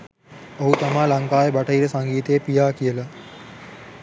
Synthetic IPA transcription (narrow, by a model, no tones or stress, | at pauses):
oɦut̪amaːlaŋkaːjəbaʈəiɾəsaŋɡiːt̪eːpijaːkijəla